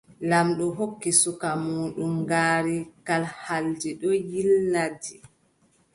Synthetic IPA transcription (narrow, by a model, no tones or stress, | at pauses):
lamɗɔɦokːisukamuːɗumɡaːɾikalhaldiɗɔjilnadi